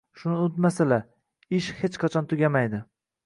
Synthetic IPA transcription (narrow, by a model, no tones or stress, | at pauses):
ʃʊnɪʊt̪masala | ɪʃhet͡ʃqʰɑt͡ʃʰɒnt̪ʰʊɡʲamajd̪ɪ